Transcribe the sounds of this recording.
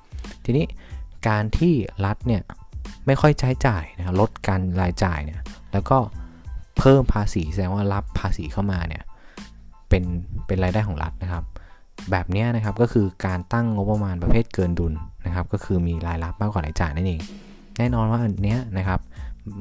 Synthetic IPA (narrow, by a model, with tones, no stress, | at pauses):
t̪ʰiː˧niː˦˥kaː˧nt̪ʰiː˥˩ɾa˦˥t̪̚ni˥˩ɐ | ma˥˩jkʰɔ˥˩jt͡ɕʰaː˦˥jt͡ɕaː˨˩jna˦kʰa˦˥p̚lo˦˥t̪̚kaː˧nɾaː˧jt͡ɕa̰ː˨˩jni˦˥˩ɐlɛː˦˥wkɔː˥˩pʰɤː˥˩mpʰaː˧siː˩˦sa˧dɛː˧ŋwaː˥˩la˦˥pʰːaː˧siː˩˦kʰa˥˩wmaː˧nḭ˥˩ɐ | pe˧npe˧nɾaː˧jdaː˥˩jʰkʰɔː˨˩˦ɾʔa̰˦˥t̪̚na˦˥kʰa˦˥p̚ | bɛː˨˩p̚ni˦˥ɐna˦˥kʰa˦˥p̚kɔː˥˩kʰɯː˧kaː˧nt̪a˥˩ŋŋo˦˥pːa˧maː˧npa˧pʰeː˥˩t̪̚kɤː˧ndu˧nːa˦˥kʰa˦˥p̚kɔː˥˩kʰɯː˧miː˧ɾaː˧jla˦˥p̚maː˥˩kwaː˨˩laː˨˧˦t͡ɕa̰ː˨˩jna˥˩nʔeː˧ŋ | nɛː˥˩˨nɔː˧nwaː˥˩ʔa˨˩nːi˦˥ɐna˦˥kʰa˦˥p̚